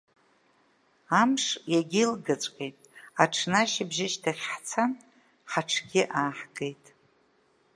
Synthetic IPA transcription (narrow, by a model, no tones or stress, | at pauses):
amʂjaɡʲɪlɡat͡sʷʼqʲʼejtʼaʈ͡ʂʰnaʃɪbʒɪʃtʰaχʲħt͡sʰan | ħaʈ͡ʂʰɡʲɪʔaːħɡe̞jtʼ